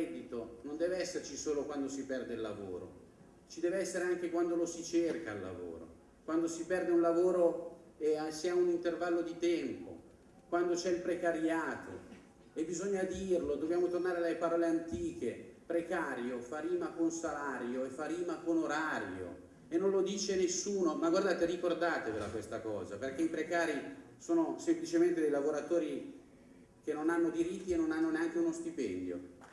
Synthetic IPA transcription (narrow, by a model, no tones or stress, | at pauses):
ɛd̪it̪onond̪ɛːveɛsːert͡ʃisoːlokwand̪osipɛrd̪eilːa̰vo̰ːɾo̰ | t͡ʃid̪ɛːveɛsːeɾeaŋk̟ekwand̪olosit͡ʃerka̰lːa̰vo̰ːɾo̰ | kwand̪osipɛrd̪eunlavoːɾo | easiaunint̪ervalːod̪it̪ɛmpo̰ | kwand̪ot͡ʃɛilpɾekaɾjaːt̪o̰ | ebːizoɲːad̪iːrlod̪objaːmot̪ornaːɾealepaɾɔːleant̪iːk̟epɾekaːɾjofaɾiːmakonsalaːɾjoefːaɾiːmakonoɾaːɾjo̰ | enːõnlod̪iːt͡ʃenesːuːnomaɡward̪aːt̪erikord̪aːt̪evela̰kwest̪akɔ̰ːzaperkeipɾekaːɾi | soːnosemplit͡ʃement̪ed̪ejlavoɾat̪oːɾi | k̟enːonanːod̪iɾit̪ːienːonanːoneaŋk̟eunost̪ipɛnd̪jo̰